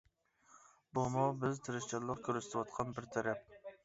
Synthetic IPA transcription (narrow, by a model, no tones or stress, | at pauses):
bomɒbɪzt̪ʰɪɾɪʃt͡ʃʰɑlˠɨq̚kʲʰɵɾɪsɪ̥t̪ʰwɒt̪̚qʰɑnbɪɾt̪ʰaɾap̚